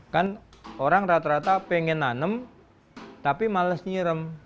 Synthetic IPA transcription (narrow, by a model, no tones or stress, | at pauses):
kanoɾaŋɾat̪aɾat̪apeŋənanəm | t̪apimaləsɲiɾəm